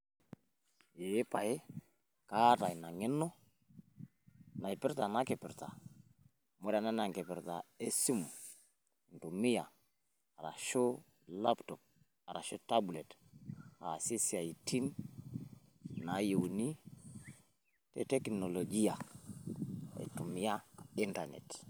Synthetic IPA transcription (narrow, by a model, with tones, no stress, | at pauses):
je˨˦pa˨ɪ˦ | ka˦ta˨jna˨ŋɪ˦nɔ˦ | na˨ɪ˨pɪ˦ɾta˨na˦kɪ˨pɪ˨ɾta˨ | mo˦ɾa˨na˦na˨ŋkɪ˨pɪ˨ɾta˨e˦si˦m | n̩˨tu˨mɪ˦ja˨ | a˨ɾa̰˨ʃo˦ | la˦ptɔ˨p̚ | a˨ɾa̰˨ʃo˦ta˦ble˨t | a̰˨si˦si˨a˨i˨tʰi˦n | na˨˦jo˨wni˦ | tḛ˨tɛ˦kno˨lo˨d͡ʒi˦ja˨ | ḭ˨tu˨mɪ˦ja˦ɪ˦nta˨nɛ̰˨t